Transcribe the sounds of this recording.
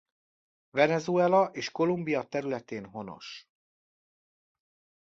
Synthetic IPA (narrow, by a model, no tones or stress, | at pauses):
vɛnɛzuɛlɒʔeːʃko̞lumbijɒt̪ɛɾylɛt̪eːnɦo̞no̞̰ʃ